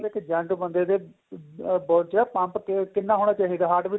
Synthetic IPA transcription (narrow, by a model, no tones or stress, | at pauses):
lɪkd͡ʒə̃ɳʈbənd̪eːd̪eː | bɔːɖt͡ʃɛːpãːmpkɪnːaːɦoːɽ̃aːt͡ʃaːɦiːd̪aːɦaːʈʋi